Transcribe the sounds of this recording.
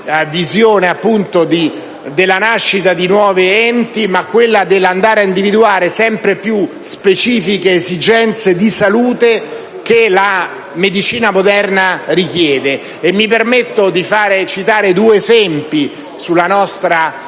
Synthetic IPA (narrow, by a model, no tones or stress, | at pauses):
vizjoːneapːunt̪od̪i | d̪elːanaʃːit̪ad̪inwɔːviɛnt̪imakːwelːad̪elːand̪aːɾaind̪ivid̪uaːɾesɛmpɾepju | spet͡ʃiːfikeːzid͡ʒɛnt̪sed̪isaluːt̪e | k̟ela | med̪it͡ʃiːnamod̪ɛrnarik̟jɛːd̪eː | mːipermet̪ːod̪ifaːɾet͡ʃit̪aːɾed̪uːeːzɛmpi | sulːanɔst̪ɾa